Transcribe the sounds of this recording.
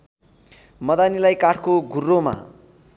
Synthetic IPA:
mʌd̪anilajkaʈʰkoɡʱurːoma̰

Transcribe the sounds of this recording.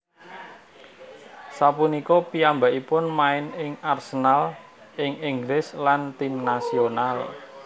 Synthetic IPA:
sapunikɔpiambaʔipʊnmaɪnɪŋarsənal | ʔɪŋiŋɡlɪslant̪imnasional

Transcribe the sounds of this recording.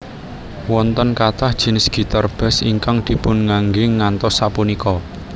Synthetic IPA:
wɔnt̪ɔnkat̪ahd̥ʒ̥i̤nɪsɡ̥i̤t̪arb̥ɛ̤siŋkaŋd̪̥i̤pʊnŋaŋɡɪŋːant̪ɔsːapunikɔ

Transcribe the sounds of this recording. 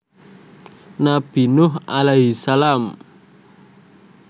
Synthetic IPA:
nab̥i̤nʊɦalaɦisalam

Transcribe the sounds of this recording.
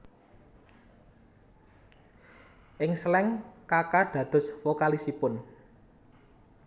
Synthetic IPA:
ʔɪŋslɛŋkakaɖ̥ä̤d̪̥ʊ̤sfokalisipʊn

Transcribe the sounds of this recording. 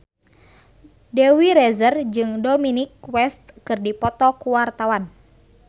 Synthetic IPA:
dɛwiɾɛzərd͡ʒɨŋdominikwɛst̪̚kɨrdipɔt̪ɔkuwart̪awan

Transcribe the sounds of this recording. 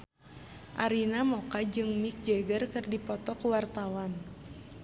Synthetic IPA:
ʔaɾinamɔkad͡ʒɨŋmik̚d͡ʒɛɡərkɨrdipɔt̪ɔkuwart̪awan

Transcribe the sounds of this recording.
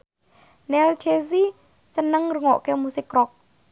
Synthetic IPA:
nɛlt͡ɕʰezi | sənːəŋrɔŋɔʔkeəwmusikːrok̚

